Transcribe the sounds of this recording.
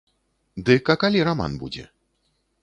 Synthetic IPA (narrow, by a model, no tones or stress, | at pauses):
d̪ɨkakalʲiɾama̰nbṵd͡zʲɛ̰